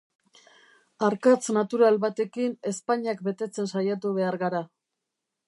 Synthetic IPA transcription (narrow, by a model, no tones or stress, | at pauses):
aɾkat͡snat̪uɾalβat̪e̞kine̞spaɲiak̚be̞t̪e̞t͡se̞nsajat̪̬uβe̞aɾɣaɾa